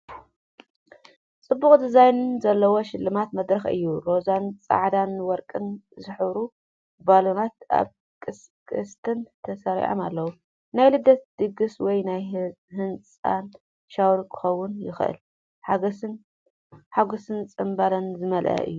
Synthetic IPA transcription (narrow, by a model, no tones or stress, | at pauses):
t͡sʼɨbːuχʼd̪ɨzajnɨnzɐlːɐwo̞ʃɪlːɨmat̪mɐd̪ɾɐxɨ̰jːuɾo̞zant͡sʼa̰ʕd̪anwɔɾkʼɨnzɨħɨβɾu | balonat̪ʔa̰β | kʼɨs | kʼɨst̪ʰɨnt̪ʰɐsɐɾḭʕo̰ma̰lːɐwu | najlɨd̪ːɐt̪̚d̪̥ɨɡɨswɔjnaj | hɨnt͡sʼa̰n | ʃawɾkʰɨ̥xɐwːʊnjɪxʔɨ̰l | ħan | ħaɡosɨnt͡sʼɨmbalɐnzɨmɐlʔɐ̰ʔɨ̰jːu